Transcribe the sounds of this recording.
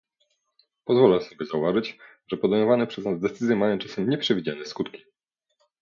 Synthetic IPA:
pɔzvɔlɛsɔbʲɛzauvaʐɘt͡ɕ | ʐ̥ɛpɔd̪ɛjmɔvanɛpʂɛznazd̪ɛt̪sɘzʲjɛmajɔ̃t͡ʂasɛmɲɛpʂɛvʲid͡ʑanɛskut̪kʲi̥

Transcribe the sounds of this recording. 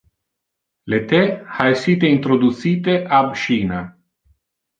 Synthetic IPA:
let̪eajsit̪eint̪ɾod̪ut̪sit̪eʔabʃiːna

